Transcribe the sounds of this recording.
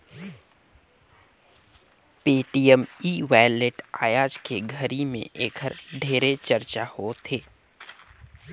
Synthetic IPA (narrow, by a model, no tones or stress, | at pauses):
peːʈijəmiːʋaːleʈaːjaːd͡ʒkeɡʱəɾimḛ̃ʔeːkʰəɾɖʱeːɾet͡ʃəɾt͡ʃahot̪ʰeː